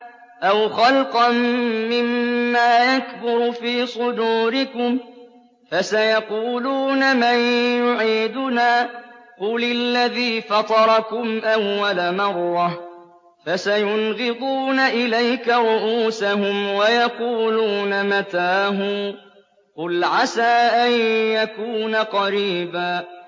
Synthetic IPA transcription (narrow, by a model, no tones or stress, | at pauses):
ʔawxɑlqɑnːɪmːaːjakbʊɾʊfiːsˤʊd̪uːɾɪkʊm | fasajɑquːluːnamanjʊʕiːd̪ʊnaːqʊlɪlːaðiːfɑt̪ˤɑɾˤɑkʊmʔawːalamɑrˤːɑ | fasajʊnɣɪd̪ˤuːnaʔɪlajkaɾʊʔuːsahʊmwajɑquːluːnamat̪aːɦʊm | qʊlʕasaːʔanjakuːnaqɑɾiːbaː